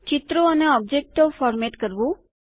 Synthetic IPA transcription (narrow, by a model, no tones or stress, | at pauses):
t͡ʃɪt̪ɾoəneɔb̚d͡ʒek̚ʈofɔɾmeʈkəɾʋũ